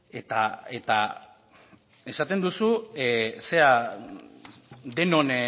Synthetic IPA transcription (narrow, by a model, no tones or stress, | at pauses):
e̞t̪a̰et̪a̰ | e̞sat̪e̞nd̪usu | se̞a | d̪e̞no̞n